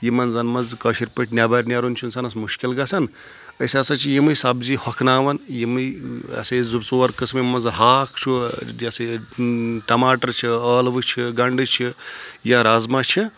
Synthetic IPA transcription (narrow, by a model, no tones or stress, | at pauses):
jimɐnzɐnmɐnzkɐʃiɾpəʈnʲaːbɐɾʲnʲaɾunt͡ʃʰunsɐnɐsmuʃkilɡɐsʰɐn | ɐsasɐt͡ʃʰijimɨjsabzihɔkʰnaːʋɐnjimɨɐ̰sɐzubt͡soːɾkɨsmimɐnzɦaːkʰt͡ʃʰuɐsɐ | ʈɐmaːʈɐɾt͡ʃʰiəːlʋɨt͡ʃʰiɡɐɳɖɨt͡ʃʰijaɾazmat͡ʃʰi